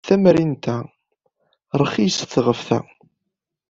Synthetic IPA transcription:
θæmɾint̪æ | ɾˤəχisθʁəfθæ̰

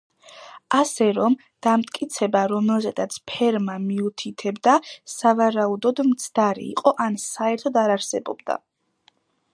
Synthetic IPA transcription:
asɛɾɔm | d̪̥amt̪ʼkʼit̪sʰɛbaɾɔmɛlzɛd̪at̪sʰpʰɛɾmamiut̪ʰit̪ʰɛbd̪asavaɾaud̪ɔd̪mt̪sʰd̪aɾḭːqʼɔʔansaɛɾt̪ʰɔd̪aɾaɾsɛbɔ̰bd̪a̰

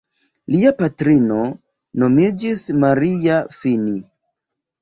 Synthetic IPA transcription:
liapatɾino̞ | no̞mid͡ʒismaɾiafini

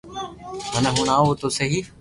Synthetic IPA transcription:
ɦənəɦʊɳ̃aːɦoːt̪oːsɐɦiː

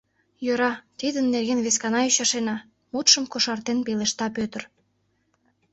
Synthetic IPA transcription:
jøɾɑt̪id̪ənːerɣenβeskɑnɑyɕɑʃenɑ | mut̪ʃəmkoʃɑrt̪enpeleʃt̪ɑpøt̪ə̆r

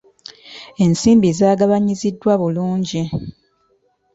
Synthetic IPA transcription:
e̞nsiːmbizaːɡaβaɲizidːwaβuluːɲɟi

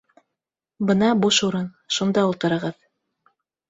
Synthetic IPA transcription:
bɤnɑbuʃuɾɤn | ʃund̪ɑulˠt̪ɤ̆ɾɤ̆ʁɤð

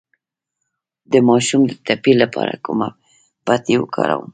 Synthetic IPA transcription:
d̪əmɑʃumd̪ət̪apilːapɑɾakuma | pat̪ewəkʰɑɾawəm

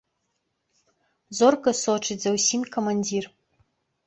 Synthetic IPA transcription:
zorɡɐsoʈ͡ʂʰid͡zɐwsimʲkʰomanʲdir

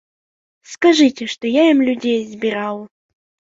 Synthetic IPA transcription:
skɐʐɨtʲɪʂt̪ɔjaimlʲʊdʲejɪzbʲɪɾalˠ

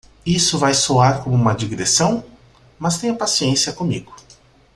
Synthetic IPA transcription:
isʊvajsoaɾkõmʊũmɐd͡ʒiɡɾesɐ̃w̃ | mɐst̪ẽj̃ɐpasiẽsiɐkõmiɡʊ

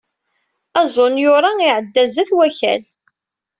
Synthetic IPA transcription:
æzˤʊnjʊɾˤɑiʕəd̪ːæzæθwæçæ̰l

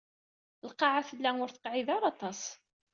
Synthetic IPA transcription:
lqɑʕafəlːæŋʊɾθə̥qʕɪðɑɾˤɑt̪ˤɑs

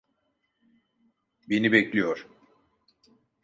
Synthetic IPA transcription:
be̞nibɛclʲijoɾ̥

